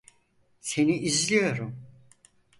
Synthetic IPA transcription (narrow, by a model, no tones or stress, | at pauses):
se̞niʔizlʲijo̞ɾum